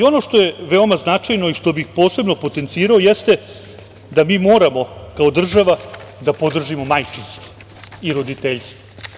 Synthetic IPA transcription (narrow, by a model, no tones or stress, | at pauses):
o̞no̞ʂt̪o̞je̞ʋe̞o̞maznat͡ʃajno̞iʂt̪o̞bixpo̞ːse̞bno̞po̞t̪e̞nt̪siːɾao̞je̞st̪e̞ | d̪amiːmo̞ːɾamo̞kao̞d̪r̩ʒaʋad̪apo̞d̪r̩ʒimo̞majt͡ʂinsk̪i̥ | iɾo̞d̪it̪eʎst̪o̥